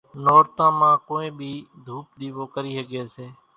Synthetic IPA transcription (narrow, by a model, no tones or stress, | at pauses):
nɔːɾt̪ãːmãːkoːẽːbʱiːd̪ʱuːp̚ɗ̪iːʋoːkəɾiːsəɡeːseː